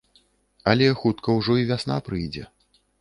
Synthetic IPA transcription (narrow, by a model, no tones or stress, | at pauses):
ɐlʲɛxut̪kɐwʐɔivʲasna̰pɾɨjd͡zʲɛ̰